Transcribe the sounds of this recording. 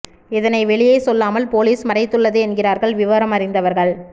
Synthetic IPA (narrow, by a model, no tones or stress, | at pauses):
ɪðɐnɐɪʋɛɭɪjɐɪsɔlːaːmɐlpoːliːsmɐrɐɪt̪ːɯɭːɐðɯɛnɡɪraːɾɣɐɭʋɪʋɐːɾɐmɐrɪnd̪ɐʋɐɾɣɐɭ